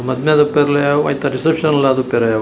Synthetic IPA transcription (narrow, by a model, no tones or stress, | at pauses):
mɐd̪mjad̪ɐpeɾɐlɐjaʋɐ̰jt̪ɐɾisepʂɐnɐlːaːd̪upeɾɐja